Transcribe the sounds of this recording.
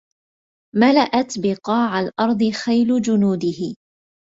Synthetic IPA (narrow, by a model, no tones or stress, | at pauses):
malaʔat̪bɪqɑːʕalʔɑɾˤd̪ˤɨxajlʊd͡ʒʊnuːd̪ɪhɪ